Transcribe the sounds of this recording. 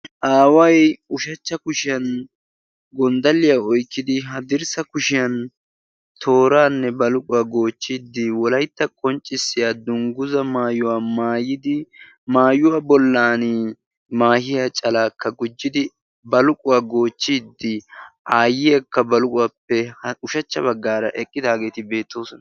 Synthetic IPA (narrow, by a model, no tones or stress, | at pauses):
ʔaːwɐjʊʃɐt͡ʃːɐkʊʃɪjɐn | ɡɔnd̪ɐlːɪjaɔjkːɪd̪ɪɦɐd̪ɪɾsɐkʊʃɪjɐn | t̪ʰo̞ːɾaːnːɛbɐlʊkʼʊwaɡoːt͡ʃːid̪ːɪwɔlɐjt̪ːɐkʼɔnt͡ʃʼːɪsːɪjad̪ʊŋɡʊzɐmaːjʊwamaːjɪd̪ɪ | maːjʊwabɔlːaːn | maːhɪjɐt͡ʃʼɐlaːkʰːɐɡʊd͡ʒːɪd̪ɪ | bɐlʊkʼʊwaːɡo̞ːt͡ʃːiːd̪ːɪʔaːjɪjɐkːɐbɐlʊkʼʊwapːɛhʊʃɐt͡ʃːɐbɐɡːaːɾɐʔɛkʼːɪd̪aːɡe̞ːt̪ɪbe̞ːt̪ːo̞ːsɔnɐ